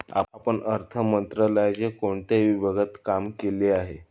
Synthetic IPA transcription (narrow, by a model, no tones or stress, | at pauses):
a̰pəɳəɾt̪ʰəmənt̪ɾələjt͡ɕekoɳt̪eʋibʱəɡət̪kamkeleaɦe